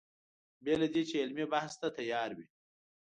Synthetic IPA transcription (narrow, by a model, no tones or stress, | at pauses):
bjalad̪et͡ʃeɪlmebahst̪at̪ajɑːɾwi